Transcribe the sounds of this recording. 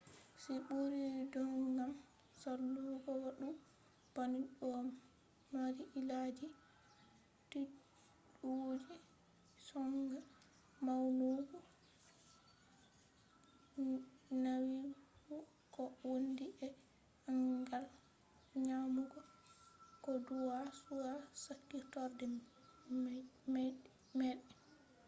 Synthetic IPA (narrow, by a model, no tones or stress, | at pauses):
siɓuɾidɔŋɡam | salːuɡɔwaɗu | b̥aniɗɔ | maɾiʔilad͡ʒi | ti | ɗuwod͡ʒi | sɔŋɡa | mawnuɡɔ | nawifu | kɔwondiʔɛ | aŋɡal | ɲamuɡɔ | kɔduwasuwasakːitɔɾdɛ | m | mɛɗɛ